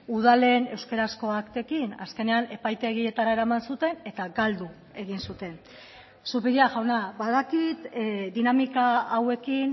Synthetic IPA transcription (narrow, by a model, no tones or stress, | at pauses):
uðale̞ːne̞wskeɾasko̞akt̪e̞kina̰ske̞ne̞ane̞pajt̪e̞ɣie̞t̪aɾaeɾamansut̪e̞ne̞t̪aɡald̪u | e̞ɣinsut̪e̞n | supiɾiaʝawnaβaðakit̪d̪inamikaawe̞kin